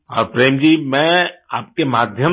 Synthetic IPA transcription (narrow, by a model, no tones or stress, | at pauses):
ɔːɾpɾeːmd͡ʒiːmɛ̃ːaːp̚kemaːd̪ʱjə